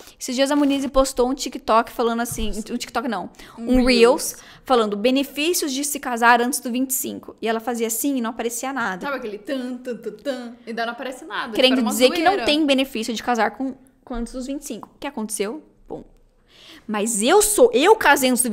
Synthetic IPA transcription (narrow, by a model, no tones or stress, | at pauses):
esɪzd͡ʒiɐzɐmõnizɪpost̪oũt͡ʃikɪt̪ɔkɪ̥falɐ̃nd̪ʊasĩũt͡ʃikɪt̪ɔkɪnɐ̃w̃ũɾiws | falɐ̃nd̪ʊbenefisjʊzd͡ʒɪsɪkazaɾɐ̃t͡ʃɪzd̪ʊvĩnt͡ʃɪ̥sḭ̃kʊɪɛlɐfaziɐsĩɪnɐ̃w̃apaɾesiɐnad̪ɐsabɪkelɪt̪ɐ̃t̪ɐt̪ɐt̪ɐ̃ẽd̪ɐnɐ̃w̃apaɾɛsɪnad̪ɐkeɾẽd̪ʊd͡ʒɪzeɾkɪnɐ̃w̃t̪ẽj̃benefisjʊd͡ʒɪkazaɾkõ | kɐ̃nt͡ʃ̪ɪzd̪ʊzvĩnt͡ʃɪ̥sĩŋkʊkɪakõnt̪e̥sew | põ̰ | mɐzewsoʔewkazeɐ̃nt͡ʃɪzd̪ʊ